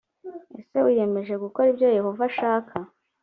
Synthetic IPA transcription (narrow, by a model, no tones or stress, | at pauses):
e̞̰se̞wuje̞me̞ʒe̞ɡuko̞ɾibjo̞je̞ho̞vaʃaːkʰa